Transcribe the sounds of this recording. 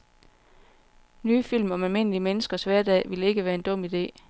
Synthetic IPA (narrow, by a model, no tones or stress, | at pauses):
nyːfil̰mɒ̽mælme̝n̰əliəmenəsɡ̥ɐsʋæɐd̥ɛ̰ːʋile̝ɡ̥əʋæːɐe̝nd̥ɔ̽m̰id̥e̝̰ː